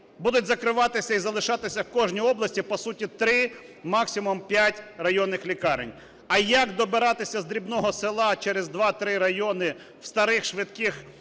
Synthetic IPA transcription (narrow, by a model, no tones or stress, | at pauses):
bud̪ʊtʲzɐkɾɪʋɑt̪ɪsʲɐizɐlˠɪʃɑt̪ɪsʲɐwkɔʒnʲijɔblˠɐsʲtʲipɔsutʲit̪ɾɪ | mɑksʲɪmɔmpʲjatʲrɐjɔnːɪxlʲikɑɾɪ̰nʲ | ɐjɐkd̪ɔbɪɾɑt̪ɪsʲɐzd̪ɾʲibnɔɦɔsɪlˠɑt͡ʃɛɾezd̪ʋɑt̪ɾɪɾɐjɔnɪ | wst̪ɐɾɪxʃʋɪt̪kɪx